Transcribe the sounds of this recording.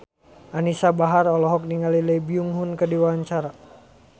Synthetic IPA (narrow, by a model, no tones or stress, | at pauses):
ʔanisabaɦarɔlɔɦɔk̚niŋalilɛjbiuŋɦunkədiwaɲt͡ʃaɾa